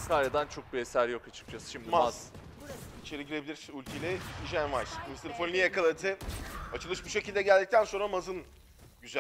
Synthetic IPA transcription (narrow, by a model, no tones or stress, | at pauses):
skʰaɾad̪ant͡ʃʰo̞k̚bie̞sæɾjo̞kat͡ʃʰɯ̥k̚d͡ʒʰasɯ̥ʃimd̪imaz | it͡ʃʰe̞ɾiɟiɾe̞bilʲiɾiylʲcʰelʲɛiʒænvaʃmist̪ɯɾfonnʲijekalˠat̪ʰɯat͡ʃʰɯlˠɯʃbuʃe̞cilʲd̪ɛɟælʲd̪ic̚t̪ʰænso̞nɾamazɯn | ɟyzæ